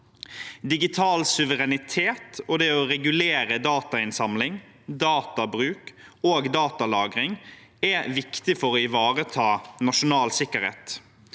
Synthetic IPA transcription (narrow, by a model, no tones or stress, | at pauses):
d̪ɪɡɪt̪ʰɑːlsʉʋəʁɛnɪt̪ʰeːt̪ɔd̪ɛɔɾɛɡʉleːɾəd̪ɑːt̪ɑɪnsɑmlɪŋ | d̪ɑːt̪ɑbɾʉːkoːɡd̪ɑːt̪ɑlɑːɡʁɪŋ | ɛʋɪkt̪ɪfɔɾɔɪʋɑːʁət̪ʰɑːnɑʃʊnɑːlsɪkəɾhḛːt̪